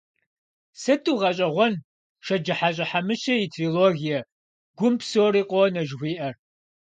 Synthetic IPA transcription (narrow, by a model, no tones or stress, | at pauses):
sɐtʰuːʁɐɕʼɐʁʷɔn | ʃɐd͡ʒɨħaɕʼɐħamɨʃɐitʰriːloːɣijɐ | ɡ̥ʷʊmpʰsoːɾiːqʷʼonɐʒxʷiːʔɐr